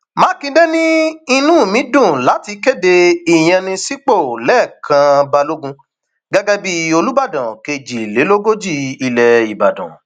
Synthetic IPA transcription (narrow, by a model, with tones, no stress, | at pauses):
mã˨˦kĩ˧de˦nĩ˦i˧nũ˦˨mĩ˨˦dũ˦˨la˨˦ti˧ke˦˨de˧i˦˨j̃ɛ̃˧nĩ˧si˦k͡po˦˨lɛ˦˨kʰã˧ba˧lo˦ɡũ˧ | ɡa˦ɡɛ˦bi˦o˧lu˦ba˦˨dã˨ke˧d͡ʒi˨le˨˦lo˦ɡo˦d͡ʒi˦˧i˧lɛ˨i˨ba̰˨dã̰˨